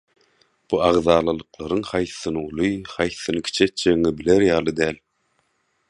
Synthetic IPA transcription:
b̥uɑʁðɑːlˠɯlˠɯqlˠɑɾɯŋhɑjθːɯnɯulˠɯχɑjθːɯnɯkʲʰi̥t͡ʃʰet̪̚d͡ʒeŋibileɾjɑːlˠɯd̪æːlʲ

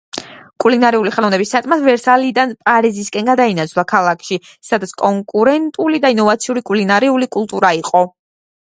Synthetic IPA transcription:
kʼulinaɾɛuliχɛɔvnɛbisːat̪ʼmat̪vɛɾsalid̪anpʼaɾiziskʼɛnɡad̪ainat̪sʰlˠakʰalˠakʰʃi | sad̪at̪sʰkʼɔŋkʼuɾɛnt̪ʼulid̪ainɔvat̪sʰiuɾikʼulinaɾɛulikʼulˠt̪ʼuɾaiqʼɔ

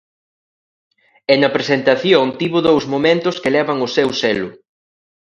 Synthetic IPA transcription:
enɐpɾesent̪aθjoŋt̪iβʊðowzmomẽnt̪ʊskelɛβɐŋʊsewsɛlʊ

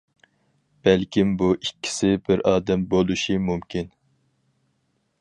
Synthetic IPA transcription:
b̥ɛlkʲimbuʔikʲːi̥sɪbɪɾɑːd̪ɛmbolˠuʃimumkʲin

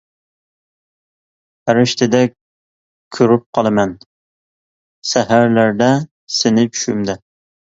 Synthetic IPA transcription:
hæɾɪʃt̪ʰɪd̪ɛk̚ʲ | kʲʰøɾyp̚qʰɑlˠɨmɛn | sæɦæɾlæɾd̪ɛ | sɪnɪt͡ʃʰy̥ʃymd̪ɛ

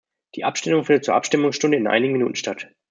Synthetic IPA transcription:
d̥iːʔapʃtɪmʊŋfɪndət̚t͡suːɐʔa̰pʃtɪmʊŋsʃtʊndəɪnʔa̰ɪnɪɡŋ̩minṵːtn̩ʃtat

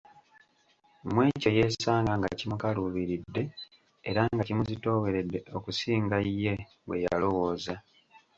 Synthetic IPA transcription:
mwe̞ːco̞je̞ːsaːŋɡaŋɡa̰cimukaluβiɾidːe̞ː | ɾaŋɡacimuzito̞ːwe̞ɾe̞dːe̞ʔo̞kusiːŋɡajːe̞ | we̞̰ja̰lo̞wo̞ːza

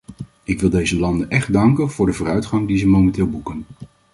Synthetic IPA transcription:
ɪkʋɪlˠdejzəlɑndənʔɛχddɑŋkənv̥ʊːɹdəvʊːrœɥtχɑŋdizəmowmɛntɪːlˠbukən

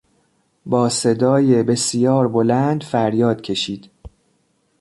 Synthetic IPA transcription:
bɒːse̞d̪ɒːjebe̞sjɒːɾbolænd̪fæɾjɒːd̪̥cʲʰe̞ʃiːd̪̥

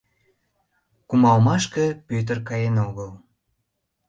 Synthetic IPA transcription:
kumɑlmɑʃkəpøt̪̬ərkɑjenoɣəl

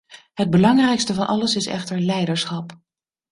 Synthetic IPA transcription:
ɦəd̚bəlɑŋrɛjkstəvɑnʔɑ̰ləsɪsɛ̰χtəɹlɛjdəɹsχɑp

